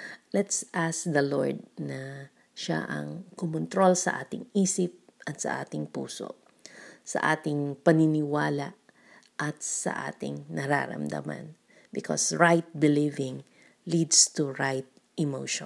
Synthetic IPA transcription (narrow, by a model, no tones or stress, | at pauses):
lɛt̪sʔask̚d̪ɐloɹd̪̚nɐ | ʃa̰ʔɐ̰ŋkʊmʊnt̪ɾo̞lsɐʔaːt̪ɪŋiːsɪp̚ʔɐt̪sɐ̰ʔa̰ːt̪ɪŋpṵːso̰ʔ | sɐ̰ʔaːt̪ɪŋpɐnɪnɪwaːlaʔ | ʔɐt̪̚sɐ̰ʔa̰ːt̪ɪ̰ŋnɐɾa̰ɾɐ̰md̪ɐ̰ma̰n | bɪkʰo̰sɹajt̪̚bɪlivɪŋ | lid̪st̪uɹajt̪̚ | ʔɪmoʃ